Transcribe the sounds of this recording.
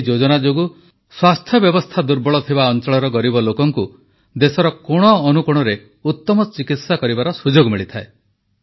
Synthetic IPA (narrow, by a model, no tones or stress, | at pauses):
d͡ʒod͡ʒɔnad͡ʒoɡu | swast̪ʰjɔbjɔbɔst̪ʰad̪uɾbɔɭɔt̪ʰibaɔnt͡ʃɔɭɔɾɔɡɔɾibɔlokɔŋku | d̪esɔɾɔkoɽ̃ɔːnukuɽ̃ɔɾe | ut̪ːɔmɔt͡ʃikit̪sakɔɾibaɾɔsud͡ʒoɡmiɭit̪ʰae